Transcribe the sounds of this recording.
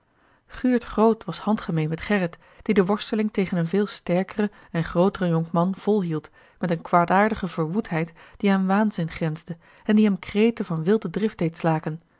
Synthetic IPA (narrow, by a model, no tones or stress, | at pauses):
χyːɹtχrowtʋɑshɑntχəmejnmɛtχɛrət | d̥idəʋɔɹstəlɪŋtejχənənvɪːlˠstɛɹkərə | ɛnχrowtərəjɔŋmɑnv̥ɔlˠɦilˠt | mɛtənkʋaːdaːɹdəχəvəɹʋutɦɛjtd̥iaːnʋaːnzɪnχrɛnzdə | ɛndiɦɛmkrejtəvɑnʋɪlˠdədrɪfd̥̚ejtslaːkən